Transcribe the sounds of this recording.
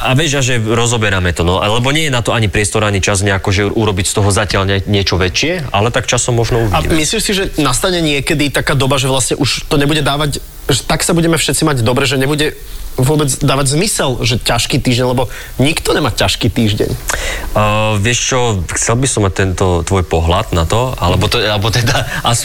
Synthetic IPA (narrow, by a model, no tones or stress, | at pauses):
aʋɪɛʒaʒɛɾɔzɔbɛɾamɛt̪ɔnɔalɛbɔɲɪɛjɛnat̪ɔaɲipɾɪɛst̪ɔɾaɲit͡ʃazɲɛakɔʒɛʔuɾɔbicst̪ɔɦɔzacɪaʎɛɲɪɛt͡ʃɔʋɛt͡ʃɪɛa̰lɛt̪akt͡ʃasɔmːɔʒnɔuʋiaḭmisliːmsiʒɛnast̪aɲɛɲɪɛkɛd̪it̪akaːd̪ɔbaʒɛʋlasɲɛʔuʃt̪ɔɲɛbuɟɛd̪aːʋac | ʒɛt̪aksabuɟɛmɛfʃɛt̪t͡simaɟd̪ɔbɾɛʒɛɲɛbuɟɛ | ʋʊɔbɛd͡zd̪aːʋaɟzmisɛlʒɛcaʃkiːt̪iːʒɟɛɲlɛbɔ | ɲikt̪ɔɲɛmacaʃkiːt̪iːʒɟɛ̰ɲ | ʋɪɛʃt͡ʃɔxt͡sɛlbisɔmːac̚t̪ɛnt̪ɔt̪ʋɔjpɔɦlad̪nat̪ɔa̰lɛbɔt̪ɛlɛbɔt̪ɛd̪aʔas